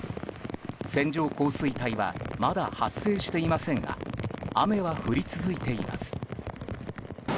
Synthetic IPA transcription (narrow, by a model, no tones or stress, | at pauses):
sẽ̞ɲ̟d͡ʑo̞ːko̞ːsɨit̪aiβa̰mad̪ahasːe̞ːɕi̥t̪e̞imasẽ̞ŋɡa̰ame̞βaɸɯ̟ɾʲit͡sɨzɨit̪e̞ima̰sɨ̥